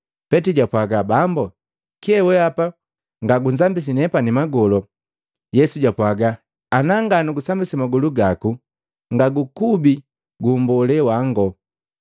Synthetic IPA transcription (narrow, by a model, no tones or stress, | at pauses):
pɛtiɟapwaɡabambɔ | kiɛwɛapa | ŋɡaɡunzambis̬inɛpanimaɡɔlɔ | jɛsuɟapwaɡaː | naŋɡanuɡusambisimaɡɔluɡaku | ŋɡaɡukubi | ɡumbɔlɛwaŋɡɔ